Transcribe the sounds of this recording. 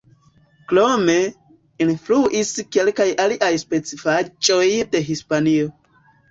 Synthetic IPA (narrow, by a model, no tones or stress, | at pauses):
klome | influʔiskelkajaliʔajspe̞t͡sifat͡ʃʼojde̞ɦispanio